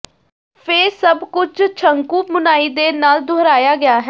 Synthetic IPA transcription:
pʰɪɾsəbkʊd͡ʒt͡ʃʰəŋkuːmʊnaːiːd̪eːnaːld̪ʱoːɾaːjaːɡɪjaːɦɛː

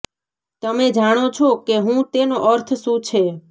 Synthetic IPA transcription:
t̪əmed͡ʒaɽ̃ot͡ʃʰokeɦũt̪enoʔəɾt̪ʰsũt͡ʃʰe

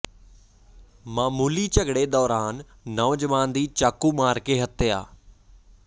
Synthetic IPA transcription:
mãːmuːliːt͡ʃəɡɽeːd̪ɔːɾaːnː | ɔːd͡ʒəʋaːnd̪iːt͡ʃaːkuːmaːɾkeːɦət̪eja̰ː

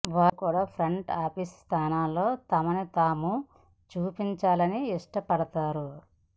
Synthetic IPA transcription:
ʋaːkuːɽaːpʰɾɐɳʈaːpisst̪ʰaːnaːlːo̞ːt̪ɐmɐnit̪aːmu | t͡ʃuːpiɲt͡ʃaːlɐniiʂʈɐpɐɽɐt̪aːɾu

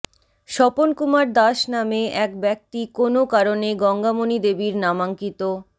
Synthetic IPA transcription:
ʃɔponkumaɾd̪aʃnameɛk̚bɛk̚t̪ikonokaɾoneɡɔŋɡamonid̪ebiɾnamaŋkit̪o

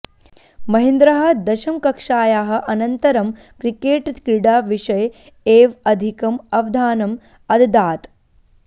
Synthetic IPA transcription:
mɐɦĩnd̪ɾɐɦɐ̆d̪ɐʃɐmkɐkʂaːjaːɦɐ̆ʔɐnɐnt̪ɐɾɐm | kɾikeːʈt̪kɾiɽaːʋiʂɐj | eːʋɐd̪ʱikɐmɐʋd̪ʱaːnɐm | ɐd̪d̪aːt̪

